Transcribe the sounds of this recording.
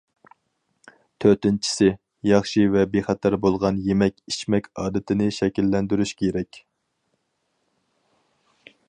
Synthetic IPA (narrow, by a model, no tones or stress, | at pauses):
t̪ʰøɾt̪ɪnt͡ʃʰi̥sɪ | jɑχʃivɛbeχɑt̪ʰɑɾbolˠʁɑnjemɛkʲiʃmɛkʲɑːd̪ɪt̪ʰɪnɪʃɛkʲilːɛnd̪yɾyʃkʲʰeɾɛkʲ